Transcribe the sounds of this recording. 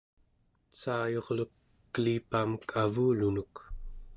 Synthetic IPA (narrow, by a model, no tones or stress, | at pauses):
t͡ʃaːjo̞ʁlukː | əlipaːmkʰavuːlunuk